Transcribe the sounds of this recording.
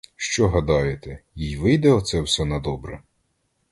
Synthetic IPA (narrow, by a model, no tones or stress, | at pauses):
ʃt͡ʃɔɦɐd̪ɑjet̪ɛjijʋɪjd̪ɛɔt̪sɛwsɛnɐd̪ɔbɾɛ